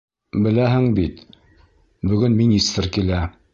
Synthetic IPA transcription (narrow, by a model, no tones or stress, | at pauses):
bɘ̆læɦɘŋbit̪ | bɵ̆ɡɵnminʲist̪rkilæ